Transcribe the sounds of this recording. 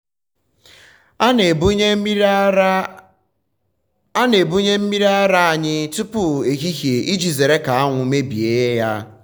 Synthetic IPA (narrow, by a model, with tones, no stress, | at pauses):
a˦ne˨bu˦ɲe˦m̩˦mi˦ɾa˦ɾa˦a˨ɲɪ˦tʊ˦pʊ˨e˨ɣi˦ɦje˨ʔi˦d͡ʒi˨ze˨ɾe˦ka˨a˦ŋʷʊ˨me˦bi˨e˦ja˦